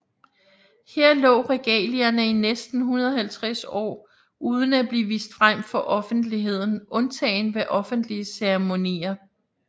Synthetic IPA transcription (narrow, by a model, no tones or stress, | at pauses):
heɐ̰lɔ̰̽ːʁɛɡ̥ɛ̰ːliɐnəinesd̥n̩ɦunɐðˠɦælt͡sʰʁasɒ̰ː | ʔuːð̞ˠən̩æb̥liːʋḭːsd̥fʁam̰fɒ̽ʔɒ̽fn̩d̥liɦe̝ð̞̰ˠn̩ʔɔ̽nt͡sʰɛ̰ːnʋeʔɒ̽fn̩d̥liəseʁmo̝nḭːɐ